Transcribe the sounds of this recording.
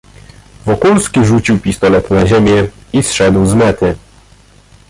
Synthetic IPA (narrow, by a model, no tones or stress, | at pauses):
vɔkulskʲiʐut͡ɕiwpʲist̪ɔlɛt̪naʑemʲjɛisʂɛd̪wzmɛt̪ɘ